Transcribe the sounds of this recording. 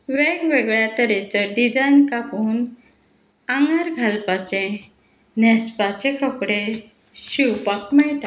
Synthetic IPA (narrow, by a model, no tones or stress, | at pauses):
ʋeɡʋeɡɭjat̪əɾet͡səɖid͡zajnkapuːn | ãŋɡaɾɡʱalpat͡ɕẽ | nɛspat͡ɕekəpɽe | ɕiwpakmajt̪a